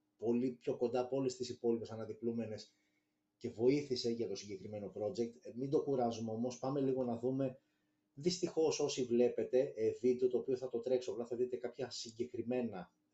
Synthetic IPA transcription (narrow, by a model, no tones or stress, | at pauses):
po̞lipço̞ko̞nd̪ɐpo̞lest̪isipo̞lipe̞sɐnɐðiplume̞ne̞s | ce̞vo̞iθise̞ʝɐt̪o̞siɲɟekɾime̞no̞pɾo̞d͡ʑek̚t̪mind̪o̞kuɾɐzumeo̞mo̞spɐme̞liɣo̞nɐðume̞ | ðist̪ixo̞so̞sivle̞pe̞t̪e̞eðit̪eot̪oːpio̞θɐt̪o̞t̪ɾe̞ksoɐplɐθɐðit̪e̞kɐpçɐsiɲɟe̞kɾime̞nɐ